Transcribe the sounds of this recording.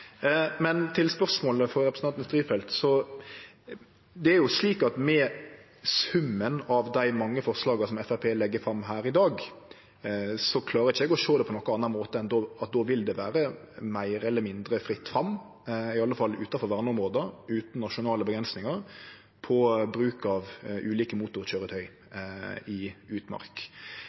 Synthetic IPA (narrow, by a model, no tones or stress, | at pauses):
mɛnt̪ʰɪlspœɾsmoːləfɔɾɾɛpɾsn̩ɑnst̪ɾiːfɛlt̪sɔ | d̪ɛæɾjʊsliːkɑt̪mɛ | sʉmːənɑʋd̪æɪmɑŋːəfɔɾslɑːɡəsɔmɛfæpʰeːlɛɡːəfɾɑmːɦæːɾɪd̪ɑːɡ | sɔkʰlɑːɾəɾɪçəɛɡɔʃoːd̪ɛpʰɔnɔkːənɑnːɑnmoːt̪əɛnd̪ɔɑt̪̚d̪ɔʋɪld̪ɛʋæːɾə | mæɪɾəɛlːəmɪnd̪ɾəfɾɪt̪ːfɾɑm | ɪɑlːəfɑlːʉ̰ːt̪ɑfɔɾʋæʁməʊmʁoːd̪əɾʉːt̪n̩nːɑʂʊnɑːləbəɡɾɛnsnɪŋəɾ | pʰɔbɾʉːkɑʋʔʉːliːkəmuːt̪ʊɾçøːɾət̪ʰœʏ | ɪʉːt̪mɑ̰ɾk